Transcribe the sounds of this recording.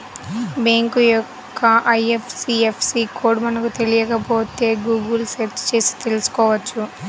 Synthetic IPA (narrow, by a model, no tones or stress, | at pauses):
beːŋkujɔkːɐɐjepʰsiepʰsiːkoːɖmɐnɐkut̪e̞lijɐkɐpo̞ːt̪e̞ːɡuːɡɐlset͡ʃt͡ʃe̞ːsi̥t̪e̞lusu̥kɔːʋɐt͡ʃːu